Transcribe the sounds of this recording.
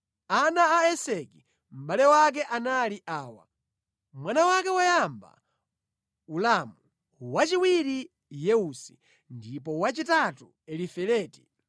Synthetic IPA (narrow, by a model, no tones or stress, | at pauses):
anaːɛsɛki | m̩ɓalɛwak̬ɛʔanaliʔaːwa̰ | mwanawakɛwajamba̰ | ulamu | wat͡ʃiwiɾi | jɛusi̥ | ndipɔwat͡ʃitatu | ɛlifɛlɛːti̥